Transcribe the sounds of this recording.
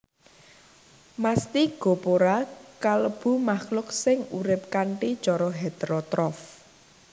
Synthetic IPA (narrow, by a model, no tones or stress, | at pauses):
mast̪iɡ̥o̤poɾakaləb̥ṳmaχlʊksɪŋuɾɪp̚kaɳʈit͡ʃɔɾɔɦed̪̥ɾɔt̪ɾɔf